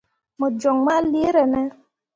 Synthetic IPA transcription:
mo˨d͡ʒɔ˨ŋma˦li˦e˦ɾɛ˨nɛ˦

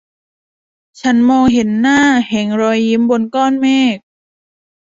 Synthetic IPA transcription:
t͡ɕʰa˦˥nmɔː˧ŋɦe˩˦nːaː˥˩hɛ˩˦ŋɾɔː˧jːi˦˥mbo˧nkɔː˥˩˨nmɛː˥˩k̚

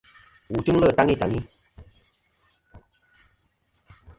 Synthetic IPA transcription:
wu˨tu˦ŋ˦lə˦˨ta˦ŋi˦˨ta˨ŋi˦

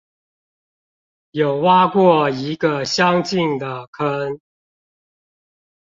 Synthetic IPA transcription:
jo˨˩ʊwa˦kwɔ˥˨i˨˦ɡə˨ɕjɑ˦ŋt͡ɕi˥˨ŋd̪ə˩kʰə˦n

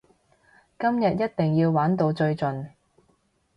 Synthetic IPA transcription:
kɐ˥mjɐ˨t̚jɐ˥t̚t̪ɪ˨ŋjiː˧wwaː˨˥nt̪o˧wt͡ʃɵ˧ɥt͡sɵ˨n

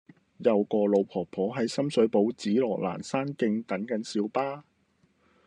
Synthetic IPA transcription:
jɐ˨wkɔː˧lo˨˧wpʰɔː˨˩k̚pʰɔː˨˥ɦɐ˨˥jsɐ˥msɵ˨˥ɥpo˨˧˥wt͡siː˨˥lɔː˨˩la̰ː˨˩nsaː˥nkɪ˧ŋt̪ɐ˨˥nkɐ˨˥nsiː˨˧wpaː˥

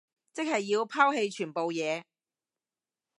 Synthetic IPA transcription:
t͡sɪ˥k̚hɐ˨jːiː˧wpʰaː˥wɦe˧jt͡ʃʰyː˨˩npo˨wjɛː˨˧

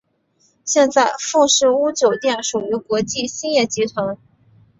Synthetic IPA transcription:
ɕjɛ˥˧nt͡sa˥˧ɪfu˥˧ʂɻ̩˥˩u˥t͡ɕjo˨˩ʊt̪jɛ˥˩nʂu˨˩y˧˥kwɔ˧˥t͡ɕi˥˩ɕi˥njɛ˥˩t͡ɕi˧˥t̪ʰwa˧˥n

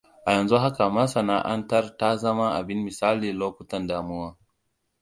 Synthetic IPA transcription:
ʔa˨jɐ˨nzu˦ɦa˦ka˨mɐ˦sɐ˨na˦ʔa˦ntɐ˦rta˦zɐ˦ma˦ʔa̰˨bɪ˦nmɪ˨saː˦liː˨loː˦kʷʊ˦tɐ˨ndaː˨mu˦waː˦

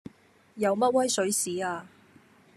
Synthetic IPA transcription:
jɐ˨˧wmɐ˥t̚wɐ˥jsɵ˨˥ɥsiː˨˥aː˧

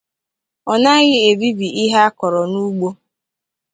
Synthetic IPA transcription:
ɔ˨na˦ɣɪ˦e˨bi˦bi˨ʔɪ˦ɦa˦a˦kɔ˨ɾɔ˨nu˦ɡ͡bo˦

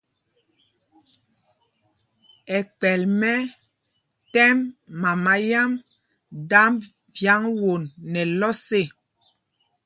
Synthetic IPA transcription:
ɛ˨k͡pɛ˨lmɛ˦ | tɛ˦mːa˨ma˨˦ja˦m | da˦m | vja˦ŋwo˨nːɛ˨lɔ˦se˦˨

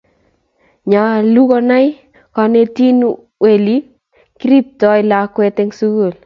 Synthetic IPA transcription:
ɲa˨lu˦kɔ˧na˦j | ka˧ne˦ti˦nu | we˨li˦ | ki˦ɾi˦p̚tɔ˦jla˦kwe˦te˦ŋsu˦ɡu˨l

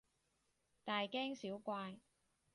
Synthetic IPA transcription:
t̪aː˨jkɛː˥ŋsiː˨˥wkʷaː˧j

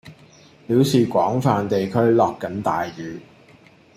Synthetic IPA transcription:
piː˨˥wsiː˨kʷɔː˨˥ŋfaː˨nt̪e˨jkʰɵ˥ɥlɔː˨kːɐ˨˥nt̪aː˨jjyː˨

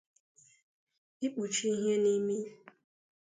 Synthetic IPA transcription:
i˦k͡pu˨t͡ʃi˦i˦ɦe˦ni˦mi˦˨

